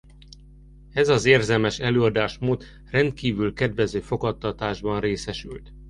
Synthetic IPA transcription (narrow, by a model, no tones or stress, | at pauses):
ɛzɒzeːrzɛlmɛʃɛløːɒd̪aːʃmoːt̪ | rɛnt̪̚kiːvylkɛd̪vɛzøːfo̞kɒt̪ːɒt̪aːʒbɒnreːsɛʃy̰lt̪